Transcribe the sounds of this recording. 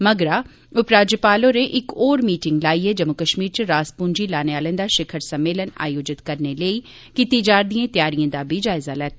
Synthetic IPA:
mɐɡɾaː | ʊpɾaːd͡ʒəpaːlõɾeʔɪkoːɾmiːʈɪ̃ŋɡlaːied͡ʒɐmʊkəʃmiːɾt͡ʃəɾaːspũːnd͡ʒilaːneaːlə̃d̪aːʃɪkʰəɾsɐmːeːləna̰ːjoːd͡ʒɪt̪kɐɾneleiː | kit̪id͡ʒaːɾd̪iãːt̪jaːɾiãːd̪aːbʱid͡ʒaːɪzalɛːt̪ʰː

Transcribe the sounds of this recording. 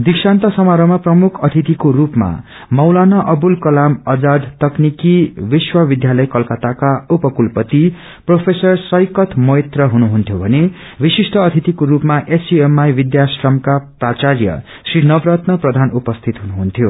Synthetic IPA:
d̪iksant̪ʌsʌmaɾʌmaprʌmukʰʌt̪ʰit̪ikorupma̰ | mʌwlanʌʔʌbulkʌlamʌd͡zad̪t̪ʌknikibiswʌbid̪jalʌjkʌlkʌt̪akaupʌkulpʌt̪i | propʰesʌrsʌjkʌt̪ʰmʌet̪rʌɦunuɦunt̪ʰjobʱʌne | bisisʈʰʌːt̪ʰit̪ikoɾupmaʔesiemajbid̪jasrʌmkaprat͡sarjʌ̰ | srinʌbrʌt̪nʌprʌd̪ʱanupʌst̪ʰit̪ɦunuɦunt̪ʰjo

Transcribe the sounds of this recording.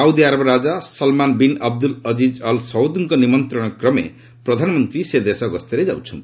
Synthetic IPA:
sawd̪iaɾʌbɾad͡zasʌlmanbinʌb̚d̪ulʌd͡zid͡zʌlsʌwd̪uŋkʌnimʌnt̪rʌnkrʌmḛ | prʌd̪ʱanmʌnt̪rised̪esʌɡʌst̪eɾed͡za̰w̃t͡sʰṵ

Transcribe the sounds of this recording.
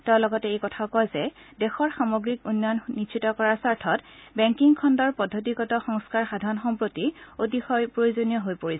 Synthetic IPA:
tɛʊ̃lɔɡɔtɛejkɔtʰaʊkɔjzɛ | dɛxɔɹxamoɡɹikunːjɔnnitʃʰitɔkɔɹaɹsaɹtʰɔtbɛŋkiŋkʰɔndɔɹpɔdʱːot̬ikɔtɔxɔŋskaɹxadʱaɹɔnɔxɔmpɹotiotixɔjpɹojozonijɔɦojpoɹisɛ

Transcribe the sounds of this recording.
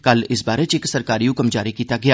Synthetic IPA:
kɐlɪsbaːɾet͡ʃeːksɐɾkaːɾijũkɐmd͡ʒaːɾikiːt̪aɡɐjaː

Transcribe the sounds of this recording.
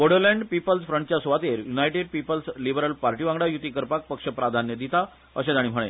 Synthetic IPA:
ʋoɽəɾlɛɳɖpipəlsfɾəɳʈt͡ɕjasʋat̪eɾjunajʈeɖ̚pipəlslibəɾəlpaɾʈiʋãŋɡɽajut̪ikəɾpak̚pəkʂəpɾad̪ʱanjəd̪it̪a | ə̰ɕẽd̪aɽ̃iːm̤əɽ̃e

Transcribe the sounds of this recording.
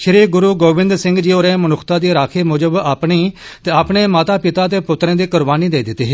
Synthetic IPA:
ʃʰɪɾeːɡʊɾuːɡoːbɪ̃nd̪sɪ̃ŋɡd͡ʒiːoːɾẽːmənʊkʰt̪aːd̪iːɾaːkʰeːmʊd͡ʒəbaːpɳiːt̪eːaːpɳeːmaːt̪aːpɪt̪aːt̪̬eːpʊt̪ɾẽːd̪eːkʊɾbaːniːd̪eːd̪ɪt̪ːeːɦeː

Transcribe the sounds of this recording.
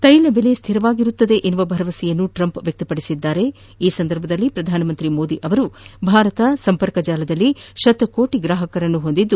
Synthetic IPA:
t̪ɐjlɐbele̞st̪ʰiɾɐʋaːɡiɾut̪ːɐd̪e̞ʔenːuʋɐbʱɐɾɐʋɐsijɐnːuʈɾɐmpʋjɐk̚t̪ɐpɐɽisid̪ːaːɾe̞ | iːsɐnd̪ɐɾbʱɐd̪ɐlːipɾɐd̪ʱaːnɐmɐnt̪ɾimo̞ːd̪iʔɐʋɐɾubʱaːɾɐt̪ɐsɐmpɐɾkɐd͡ʒaːlɐd̪ɐlːiʃɐt̪ɐkoːʈiɡɾaːɦɐkɐɾɐnːuɦo̞nd̪id̪ːu

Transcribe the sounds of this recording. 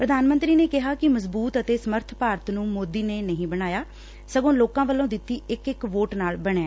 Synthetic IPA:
pɾəd̪aːnmənt̪ɾiːneːkɪɦaːkɪməzbuːt̪ət̪eːsəməɾt̪ʰpaːɾət̪nũːmoːd̪iːneːnəɦĩːbəɽ̃aːjaː | səɡõːloːkãːʋəlːõːd̪ɪt̪ːiːɪkɪkʋoːʈnaːlbəɽ̃ẽː

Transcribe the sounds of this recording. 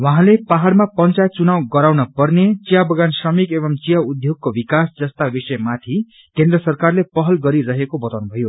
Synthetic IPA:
wãɦãlepaɦaɽmapʌnt͡sat͡sunawɡʌɾawnʌpʌrnet͡sijabʌɡansrʌmikebʌmt͡sijaud̪ʱjoɡ̚kobikasd͡zʌst̪abisʌjmat̪ʰi | kend̪rʌsʌrkarlepʌɦʌlɡʌɾiɾʌɦekobʌt̪anubʱʌjo

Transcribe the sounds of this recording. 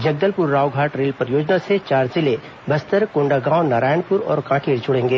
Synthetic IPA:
d͡ʒɐɡ̚d̪əlpʊɾːaːʋɡʱaːʈɾeːlpɾjoːd͡ʒnaset͡ʃaːɾzɪle | bɐst̪əɾkʊ̃ɳɖaɡãːʊnaːɾaːjəɳpʊɾɔ̰ːɾkãːʈʰiːɾd͡ʒʊɽẽːŋɡeː

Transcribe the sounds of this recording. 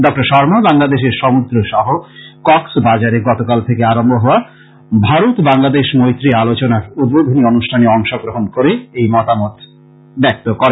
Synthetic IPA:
ɖɔk̚ʈaɾʃɔɾmobaŋlad̪eʃeɾʃɔmud̪ɾoʃɔɦokɔksbad͡ʑaɾeɡɔt̪okalt̪ʰekeaɾombʱoɦɔoa | bʱaɾut̪baŋlad̪eʃmojt̪ɾialot͡ɕonaɾud̪̚bod̪ʱonionuʃʈʰaneɔŋʃoɡɾoɦonkoɾeejmɔt̪amɔt̪ | bɛk̚t̪okɔɾe

